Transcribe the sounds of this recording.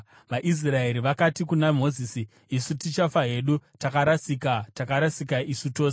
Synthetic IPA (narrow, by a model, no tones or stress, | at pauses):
ʋaʔis̬rae̞ɾiʋakatikunam̤o̞ziːsiː | sutit͡ʃafaɦe̞ɗutakaɾasikatakaɾasikaʔisuto̞ːse